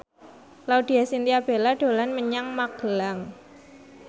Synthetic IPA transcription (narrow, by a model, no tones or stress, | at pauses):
laud̪̥i̤asint̪iab̥e̤laɖ̥o̤lanməɲaŋmaɡ̥əlaŋ